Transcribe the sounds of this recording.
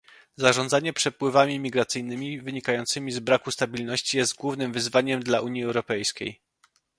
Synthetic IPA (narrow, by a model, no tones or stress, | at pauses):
zaʐɔnd̪zaɲɛpʂɛpwɘvamʲimʲiɡɾat̪sɘjnɘmʲivɘɲikajɔnt̪sɘmʲizbɾakust̪abʲilnɔɕt͡ɕijɛst̪̚ɡwuvnɘmvɘzvaɲɛmd̪laʔuɲjiɛwɾɔpɛjskʲḛj